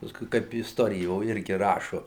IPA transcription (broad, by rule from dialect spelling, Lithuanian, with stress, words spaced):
pɐˈskʊɪ ˈkɐɪp ɪsˈtoːrʲɪjoː ˈɪrʲɡʲɪ ˈrɑːʃʊ